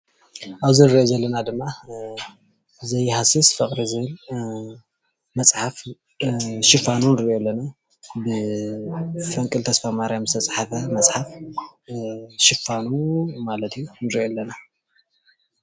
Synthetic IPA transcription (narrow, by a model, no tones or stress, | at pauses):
ʔaβzɨnɨɾiʔozɐlːɐnad̪ɨmːa | zɐjhasisfɨχʼɾizɨɨl | mɐt͡sʼħaf | ʃɪfanunɨɾiʔolːɐna | bɨ | fɐŋkʼɨlt̪ʰɐsfamaɾjamɨst̪ʰɐt͡sʼħafɐmɐt͡sʼħaf | ʃɪfanumalɐt̪ʰijːunɨɾiolːɐna